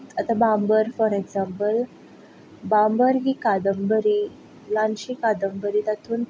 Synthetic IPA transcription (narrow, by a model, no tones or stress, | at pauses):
at̪abambəɾfɔɾeɡd͡zampəl | bambəɾɦiːkad̪əmbəɾiː | lanɕiːkad̪əmbəɾiːt̪at̪ʰuːn